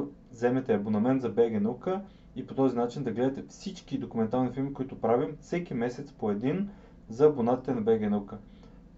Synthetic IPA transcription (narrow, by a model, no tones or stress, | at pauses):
zɛmɛt̪ɛɐbonɐmɛnt̪zɐbɛɡʲɛnukə | ipot̪ɔzinat͡ʃind̪ɐɡlɛd̪ɐt̪ɛfsit͡ʃkid̪okumɛnt̪aɾlnifilˠmikoit̪ʊpɾavimfsɛkʲimɛsɛt̪spoɛd̪in | zɐbonat̪i̥t̪ɛnɐbɛɡʲɛnukə